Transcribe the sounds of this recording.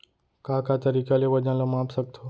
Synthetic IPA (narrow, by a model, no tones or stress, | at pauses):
kaːkaːt̪əɾiːkaleʋəd͡ʒãːləmaːpsək̚t̪ʰoː